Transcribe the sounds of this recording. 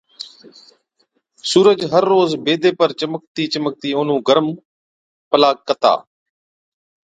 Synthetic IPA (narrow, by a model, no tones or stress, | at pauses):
suːɾəd͡ʒɦəɾːoːzbeːd̪eːpəɾt͡ʃəmək̚t̪iːt͡ʃəmək̚t̪iːʊːn̤ũːɡəɾəm | pəlaːkːət̪a̰ː